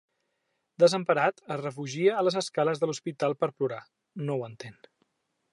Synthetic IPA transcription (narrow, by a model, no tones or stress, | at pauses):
d̪əzəmpəɾat̪ərəfuʒiəːləzəskaləzðəluspit̪alˠpəɾpluɾa | nowənt̪en